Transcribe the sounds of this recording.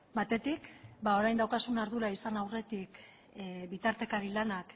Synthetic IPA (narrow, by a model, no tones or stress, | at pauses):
bat̪e̞t̪ikbao̞ɾajnd̪awkasunaɾðuɾaisanawre̞t̪ik | bit̪aɾt̪e̞kaɾilanak